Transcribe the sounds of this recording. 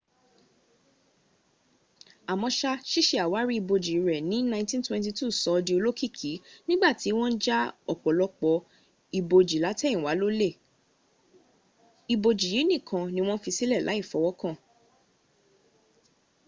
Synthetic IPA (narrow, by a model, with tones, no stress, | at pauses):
a˨mɔ̃˧ʃa˧ʃi˦ʃe˧a˨wa˨˦ɾi˦i˧bo˧d͡ʒi˨ɾɛ˨nĩ˨˦nã˧ntĩ˦n˦twɛ̃˧nti˧tu˦˨sɔ˨˦di˧o˧lo˦ki˦˨kʰi˨˦nĩ˦ɡ͡ba˦˨ti˨˦w̃ɔ̃˦n̩˦d͡ʒa˦ɔ˨k͡pɔ˨lɔ˧k͡pɔ˧ | i˧bo˧d͡ʒi˨la˨˦tɛ˦ĩ˨wa˨˦lo˦le˦˨ | i˧bo˧d͡ʒi˨ji˨˦nĩ˦˨kʰã˧nĩ˧w̃ɔ̃˦fi˧si˦lɛ˦˨lʔa̰˨˦i˦˨fɔ˨˦wɔ˦kã˦˨